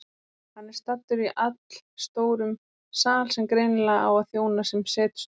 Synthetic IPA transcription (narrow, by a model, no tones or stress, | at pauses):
hanːɪɾ̥st̪at̪ːʏɾiʔat̪l̥st̪oːwɾʏm | saːlsɛmkɾejnɪlaa̰waðθjoːwnasɛmsɛːt̪ʏ̥s